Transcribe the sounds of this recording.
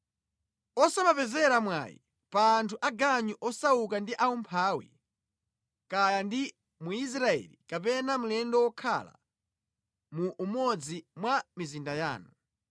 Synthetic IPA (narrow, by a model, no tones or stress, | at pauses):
ɔsamapɛzɛɾamwa̰ːjḭ | paːntʰuʔaɡaɲuʔɔsaukandiʔaumpʰaːwḭ | kajandi | muis̬ɾaɛ̰likapɛnam̩ulɛndɔwɔkʰa̰la̰ | muʔːmɔd͡zimwamizindaja̰ːnu